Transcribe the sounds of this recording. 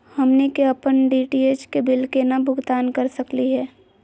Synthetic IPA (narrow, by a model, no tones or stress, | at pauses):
hɐmnekeɐpənɖiːʈieːt͡ʃkebɪlkenabʱʊɡt̪aːnkəɾsəkliɦɛː